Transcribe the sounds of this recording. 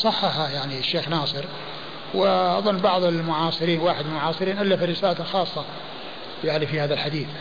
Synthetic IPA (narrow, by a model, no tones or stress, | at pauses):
sˤɑħːɑhajaʕniʃːeːxnɑːsˤɨɾ | wɪʔɑ̰ðˤɑnːbɑʕðˤɪlmʊʕɑːsˤɨɾiːnwaːħɪd̪ɪlmʊʕɑːsˤɨɾiːnʔalːafarɪsaːlt̪axɑːsˤːɑ | jaʕnifihaːðalħad̪iːθ